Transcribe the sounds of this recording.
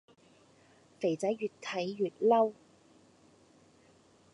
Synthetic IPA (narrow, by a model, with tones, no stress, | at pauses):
fe˨˩jt͡sɐ˨˥jɥyː˨t̚t̪ʰɐ˨˥jːyː˨t̚lɐ˥w